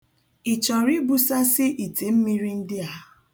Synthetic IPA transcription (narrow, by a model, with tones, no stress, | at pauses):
i˨t͡ʃɔ˨ɾi˦bu˦sa˦sɪ˦ʔi˨te˨m̩˦mi˦ɾi˦n̩˦dɪ˦a˦